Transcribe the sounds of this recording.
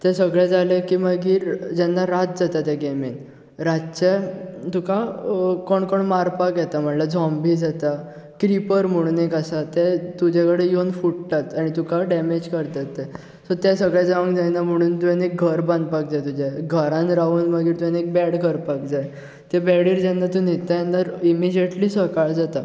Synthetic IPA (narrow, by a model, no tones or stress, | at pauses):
t̪ɛ̃səɡɭɛd͡zalẽkiːməɡiːɾd͡ʑɛnːaɾat̪̚d͡zat̪at̪ɛɡɛmen | ɾatt͡ɕɛt̪ukakɔɳkɔɳmaɾpakjɛt̪am̤əɳlad͡zɔ̃mbiːd͡zat̪a | kɾipəɾm̤əɽ̃uːnekasat̪ɛt̪ud͡ʑekəɽejonfuʈt̪at̪aɽ̃it̪ukaɖɛmed͡ʑkəɾt̪at̪ːɛ | sɔt̪ɛsəɡɭɛd͡zaʋəŋkd͡zajnam̤əɽ̃uːnt̪ujanek̚ɡʱəɾbə̃nd̪pak̚d͡zajt̪ud͡ʑaɡʱəɾãnɾauːnməɡiːɾt̪ujanek̚bɛɽkəɾpakd͡zaj | t̪ebɛɽiːɾd͡ʑɛnːat̪ũnit̪ant̪əɾimid͡ʑeʈliːsʋəkaɭd͡zat̪a